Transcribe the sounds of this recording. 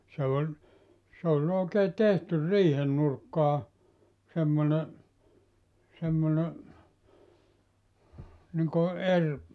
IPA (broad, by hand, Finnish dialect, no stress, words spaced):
se olʲ s olʲ oːkeː tehtyr riːhen nurkːɑː semːone semːone niŋko er